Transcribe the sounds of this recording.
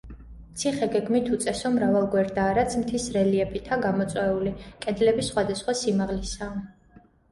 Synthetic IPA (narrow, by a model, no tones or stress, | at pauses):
mt̪sʰiχɛɡɛɡmit̪ʰut̪sʼɛsɔmɾavalˠɡwɛɾd̪aːɾat̪sʰmt̪ʰisɾɛliɛpʰit̪ʰaɡamɔt̪sʼwɛulikʼɛd̪lɛbisχwad̪asχwasimaʁlisaː